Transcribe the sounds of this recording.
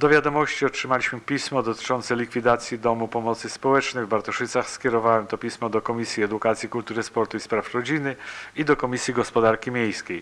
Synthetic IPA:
d̪ɔvʲjad̪ɔmɔɕt͡ɕiɔtʂɘmalʲiɕmɘpʲismɔd̪ɔt̪ɘ̥t͡ʂɔnt̪sɛlʲikfʲid̪at̪sʲjid̪ɔmupɔmɔt̪sɘspɔwɛt͡ʂnɛjvbaɾt̪ɔʂɘt̪saxskʲɛɾɔvawɛmt̪ɔpʲismɔd̪ɔkɔmʲisʲjiɛd̪ukat̪sʲjikult̪uɾɘspɔɾt̪uispɾafɾɔd͡ʑinɘid̪ɔkɔmʲisʲjiɡɔspɔd̪aɾkʲimʲjej̃skʲej

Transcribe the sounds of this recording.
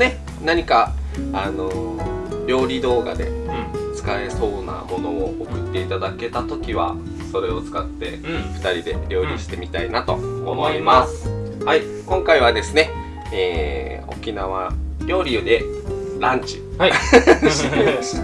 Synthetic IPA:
ne̞ | naɲ̟ikaano̞ | ɾʲo̞ːɾʲid̪o̞ːɡa̰d̪e̞̰t͡sɨ̥kae̞so̞ːna̰mo̞no̞ookɯ̟t̪ːe̞it̪ad̪ake̞t̪at̪o̞kʲiβa̰ | so̞ɾe̞o̞t͡sɨ̥kat̪ːe̞ɸɯ̟̥t̪aɾʲid̪e̞̰ɾʲo̞ːɾʲiɕi̥t̪e̞mʲit̪ainat̪o̞̰ːmo̞imasɨ̥hai | kõ̞ŋkaiβad̪e̞sɨne̞ | eː | o̞̰kʲinaβ̞aɾʲo̞ːɾʲiɯ̟d̪e̞ɾãɲt͡ɕi̥

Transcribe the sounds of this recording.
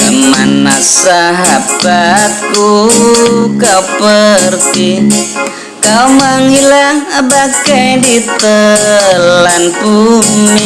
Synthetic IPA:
kəma̰nasaɦab̥at̪̚ku | kawpərt̪i | kawməŋilaŋəbakajdit̪ə | lanpumi

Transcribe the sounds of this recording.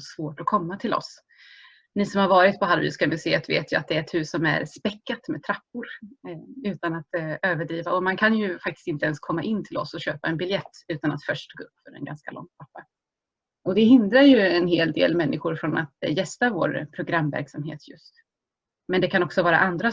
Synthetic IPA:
svoːʈɔkʰɔmːat̪ʰɪlɔ̰s | nɪsɔmhaɾvɑːɾɪt̪̚pʰɔɦalvḭːskamʏseːt̪vḛːt̪jɵat̪̚d̪ɛæɾt̪hʉ̟ːsɔmæ̰ɾspɛkːat̪mɛt̪ʰɾapːʊɾ | ʉ̟ːt̪anat̪øːvəɖɾiːvaɔmankʰanjɵfak̚t̪ɪ̥st̪ɪnt̪əɛnskʰɔmːaʔɪnːt̪ʰɪlɔ̰sɔɕøːpaɛnbɪljɛt̪ːʉ̟ːt̪ana̰t̪fœʂʈʰːɑːɡaɵpːfœɾɛ̰nɡa̰nska̰lɔ̰ŋːt̪ʰapːa | ɔd̪ɛhɪnd̪ɾaɾjɵɛnɦeːld̪ḛːlmɛnːɪɧʊɾfɾɔnʔat̪jɛst̪avo̰ːɾpʰɾʊɡɾamːvæ̰ɾksamɦḛːt̪ʰjɵ̰st̪ | mɛnd̪ɛkʰanɔksɔvɑːɾa̰ʔand̪ɾa

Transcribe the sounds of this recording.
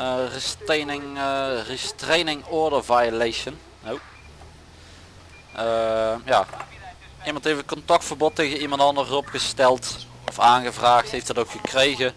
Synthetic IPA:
ristenɪŋristrejnɪŋɔɹdəɹvajlejʃənːow | əmjaː | imɑntɦejfətkɔntɑk̚tfəɹbɔtːejɣənimɑntdɑndərɔpχəstɛlˠt | ɔfaːnɣəvraːxtɦejftdɑtowkxəkrejɣə

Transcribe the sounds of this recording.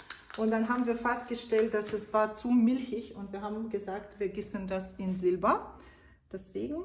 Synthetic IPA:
ʔʊntd̥anɦaːbm̩viːɐfɛst̚ɡ̥əʃtɛlt̚d̥asɛsv̥aːɐt͡sumɪlçɪçʊntv̥iːɐɦaːbm̩ɡəzaːktv̥iːɐɡɪsn̩dasɪnzɪlbɐ | d̥ɛsv̥eːɡŋ̩

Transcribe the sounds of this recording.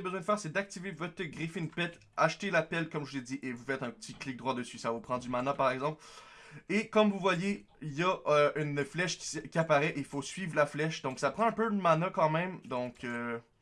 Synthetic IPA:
bəzwɛ̃d̪əfɛːʁsɛd̪ak̚t̪ivevɔt̪əɡʁifeynpɛt̪ | aʃt̪elapɛlkɔmʒəled̪iʔevufɛt̪ɛ̃pət̪iklɪk̚d̪ʁwad̪əsɥisavopχɑ̃d̪ymanapaʁɛɡzɑ̃pl | ekɔmvuvwaje | jaøynflɛʃkʲi̥kʲiapaʁɛʔeifosɥiːvlaflɛʃd̪ɔ̃ksapχɑ̃ɛ̃pøləmanakɑ̃mɛ̃md̪ɔ̃kʰø

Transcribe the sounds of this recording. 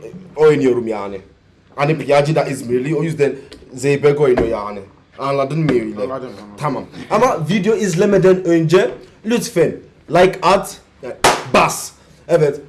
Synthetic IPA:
oenioɾumia̰nɪ | anɪpijad͡ʒidaʔizmeliojusdɛnzeibɛɡoinojanɪ | anladɪnmioiletʰamãmamavidioizlemɛdɛnoĩnd͡ʒelutfen | laɪkat | bas | ɛvɛ

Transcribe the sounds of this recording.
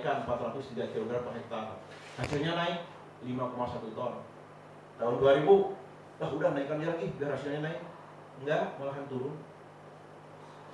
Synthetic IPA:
kanmpat̪rat̪ʊsd̪idat̪iaudɾapakɛkət̪aɦʊn | hasilɲanaɪk̚ | limakomasat̪ut̪ɔn | t̪aunduaɾibu | lahudahnaikand͡ʒaɾaŋɡɪudaɾasilɲanaɪk̚ | ŋɡaməlaɦant̪uɾʊn

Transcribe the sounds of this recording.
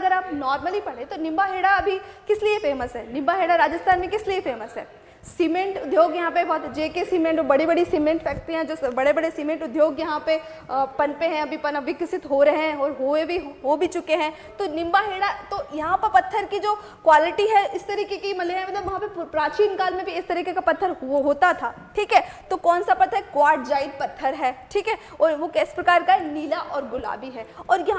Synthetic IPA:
ɡəɾaːpnɔːɾməlipɐɽẽt̪onɪ̃mbaɦeːɽaɐbʱikɪsliefeːməsɦɛːnɪ̃mbaɦeːɽaɾaːd͡ʒəst̪ʰaːnmẽkɪsliefeːməsɦɛ̰ː | simẽɳʈʊd̪ʱjoːɡjɐɦãpebɔːt̪d͡ʒeːkesiːmẽɳʈɔːɾbɐɽibɐɽisimẽɳʈfɛːk̚ʈɾiɦɛ̃d͡ʒoːsbɐɽebɐɽesiːmẽɳʈʊd̪ʱjoːɡjɐɦãpe | pɐnpeɦɛ̃ɐbʱipɐnaʋɪksɪt̪ɦoɾɐɦeɦɛ̃ɔːɾɦoebʱiɦoːbʱit͡ʃʊkeɦɛ̃ː | t̪onɪ̃mbaɦeːɽat̪ojɐɦãpɐɾpɐt̪ʰːəɾkid͡ʒoː | kwaːlɪʈiɦɛʔɪst̪ɐɾiːkekimɐleɦɛ̃mɐt̪ləbʋɐɦãpepɾaːt͡ʃiːnkaːlmẽbʱiɪst̪ɐɾiːkekapɐt̪ʰːəɾɦoːt̪at̪ʰaː | ʈʰiːkɦɛːt̪okɔːnsapɐt̪ʰːɦɛkʋaːɾʈ̚d͡ʒaːɪɖpɐt̪ʰːəɾɦɛːʈʰiːkɦɛː | ɔːɾʋokɛːse̥pɾɐkaːɾkaniːlaʔɔːɾɡʊla̰ːbiɦɛːɔːɾjɐɦã

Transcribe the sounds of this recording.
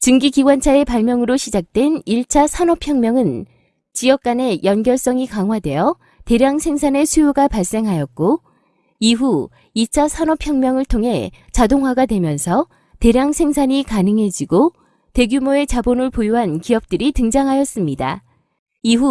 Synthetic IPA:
t͡ɕɯŋɡiɡiɡwant͡ɕʰae̞paɭmjʌŋɯɾoɕʰid͡ʑak̚t͈we̞niɭt͡ɕʰasʰanʌpʰjʌŋmjʌŋɯn | t͡ɕijʌk̚k͈ane̞jʌnɡjʌɭs͈ʌŋikaŋɦwadwe̞jʌ | te̞ɾjaŋsʰe̞ŋsʰane̞sʰujoɡapaɭs͈e̞ŋɦajʌt̚k͈o | iɦu | it͡ɕʰasʰanʌpʰjʌŋmjʌŋɯɭtʰoŋɦe̞ | t͡ɕadoŋɦwaɡadwe̞mjʌnsʰʌ | te̞ɾjaŋsʰe̞ŋsʰaɲikanɯŋɦe̞d͡ʑiɡo | te̞ɡjumoe̞t͡ɕabonɯɭpojoɦankiʌp̚t͈ɯɾitɯŋd͡ʑaŋɦajʌs͈ɯmɲida̰ | iɦu

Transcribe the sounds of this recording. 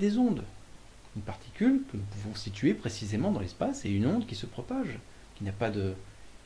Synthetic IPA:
d̪ezɔ̃d̪ | ynpaʁt̪ʰi̥kʲylkənupuvɔ̃sit̪ɥepχesizemɑ̃d̪ɑ̃lɛspaseynɔ̃d̪kʲisəpχɔpaʒ | kʲinapad̪ə

